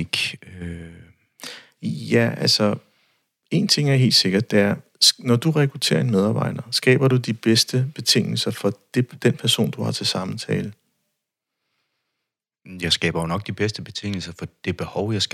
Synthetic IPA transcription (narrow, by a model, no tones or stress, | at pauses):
ɡ̥ø | jæʔælsɒ | e̝̰ːnt͡sʰe̝ŋ̰æɐɦe̝̰ːld̥se̝ɡ̥ɐd̥ːe̝æɐnɒd̥uʁɛkʰʁut͡sʰe̝̰ːɐe̝nmeð̞ˠɑ̈ːb̥ɑ̈ɪ̰d̥ɐsɡ̥ɛ̰ːb̥ɐɾ̥ud̥ib̥esd̥əb̥e̝t͡sʰe̝ŋ̰l̩sɐfɒ̽d̥ed̥enpʰæɐso̝̰ːnd̥uhɑ̈t͡sʰe̝lsɑ̈mt͡sʰɛːlə | jɑ̈ɪsɡ̥ɛ̰ːb̥ɐjo̝nɒ̽ɡ̥̚d̥ib̥esd̥əb̥e̝t͡sʰe̝ŋ̰l̩sɐfɒ̽d̥e̝b̥e̝hɒʊjɑs